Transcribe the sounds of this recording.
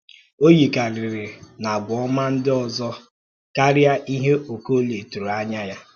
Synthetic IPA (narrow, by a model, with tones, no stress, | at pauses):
o˦ji˨ka˨ɾɪ˨ɾɪ˨na˨ɡʷɔ˦ma˦n̩˦dɪ˦ɔ˨zɔ˦ | ka˦ɾɪ˦a˦ʔi˦ɦe˦o˨ko˦le˨tu˨ɾa˦ɲa˦ja˦